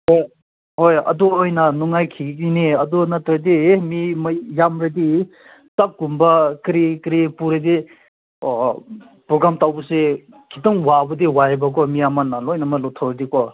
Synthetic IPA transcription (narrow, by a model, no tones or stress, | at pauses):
hoj | hojɐ̰dɔojnanuŋajkʰiɡiniɐdɔnatɾadimimajjamɾadi | tak̚ɡumbakɾikɾipuɾadi | pɾɔɡɾamtawbuse | kʰitɔŋwabɐdiwajebak̬ɔmijamanalɔjnamalɔtʰawɾadikɔ